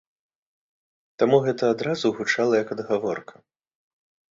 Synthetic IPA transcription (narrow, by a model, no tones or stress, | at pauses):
t̪amuɣɛt̪ɐːd̪ɾazuɣut͡ʂalˠɐjɐkɐd̪ɣavɔrkʰɐ̥